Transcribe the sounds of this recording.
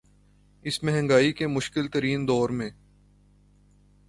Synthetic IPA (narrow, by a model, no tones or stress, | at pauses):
ɪsmɛɦɛ̃ŋɡaːikemʊʃkɪlt̪əɾiːnd̪ɔːɾmẽː